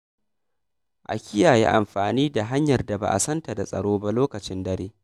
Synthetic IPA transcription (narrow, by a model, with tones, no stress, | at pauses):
ʔa̰˨kʲɪ˦jaː˨jḛ˦ʔa˨mɸaː˨niː˦da˨ɦa˦ɲjɐ˨rda˨ba̰˦ʔa̰˨sɐ˦nta˨da˨sʼɐ̰˨ɽoː˦ba˦loː˦kɐ˨t͡ʃɪ˦ndɐ˦ɾeː˦